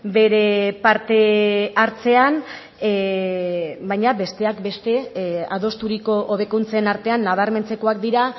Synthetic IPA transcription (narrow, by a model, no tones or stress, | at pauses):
be̞ɾe̞paɾt̪e̞aɾt͡se̞an | bajɲabe̞st̪e̞akbe̞st̪e̞aðo̞st̪uɾiko̞ʔoβ̞e̞kunt͡saenaɾt̪e̞anːaβ̞aɾme̞nt͡se̞ko̞ak̚d̪iɾa